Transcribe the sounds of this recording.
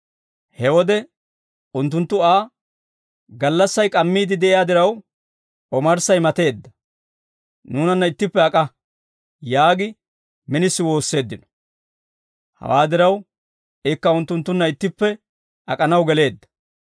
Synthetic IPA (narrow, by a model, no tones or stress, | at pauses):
hɛwɔd̪ɛ | ʊnt̪ːʊnt̪ːʊaː | ɡɐlːɐsːɐjkʼɐmːiːd̪ɪd̪ɛʔɪjaːd̪ɪɾɐw | ʔɔmɐɾsɐjmɐt̪e̞ːd̪ːɐ | nuːnɐnːɐɪt̪ːɪpːɛɐkʼɐ | jaːɡɪ | mɪnɪsːɪwo̞ːsːe̞ːd̪ːɪnɔ̥ | hɐ̰waːd̪ɪɾɐw | ɪkːɐʊnt̪ːʊnt̪ːʊnːɐɪt̪ːɪpːɛ | ɐkʼɐnɐwɡɛle̞ːd̪ːɐ̥